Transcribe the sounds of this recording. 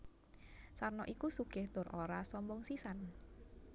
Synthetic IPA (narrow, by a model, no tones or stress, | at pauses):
sarnɔʔikusukɪht̪ʊrʔoɾasɔmbɔŋsisan